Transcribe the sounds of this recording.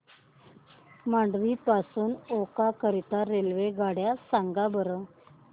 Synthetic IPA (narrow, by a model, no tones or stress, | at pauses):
maɳɖʋiːpasuːnokakəɾit̪aɾelʋeɡaɽjasaŋɡabəɾə